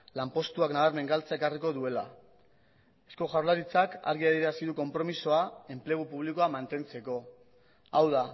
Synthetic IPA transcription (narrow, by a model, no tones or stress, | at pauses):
lampo̞st̪uaknaβaɾme̞ŋɡalt͡saekariko̞ðue̞la | e̞sko̞ʝaɾlaɾit͡saka̰ɾɣiaðiɾeasiðuko̞mpɾo̞miso̞ae̞mple̞ɣ̞upuβ̞liko̞amant̪e̞nt͡se̞ko̞ | awða